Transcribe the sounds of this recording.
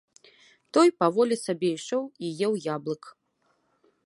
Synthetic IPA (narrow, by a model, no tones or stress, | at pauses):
t̪ɔjpavɔlʲɛsabʲɛiʂɔwijɛwjablˠɨk